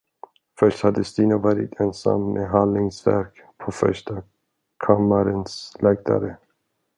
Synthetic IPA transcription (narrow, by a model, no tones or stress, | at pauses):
fœʂthad̪ːəst̪iːnavɑːɾɪt̪ʰɛnsa̰mːeɦalnɪŋsvæ̰ɾk | pʰofœ̰ʂʈa | kʰamːaɾənslɛɡd̪a̰ɾə